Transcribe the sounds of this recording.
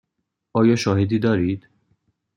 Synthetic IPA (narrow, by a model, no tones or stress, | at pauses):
ʔɒːjɒːʃɒːhed̪iːd̪ɒːɾiːd̪̥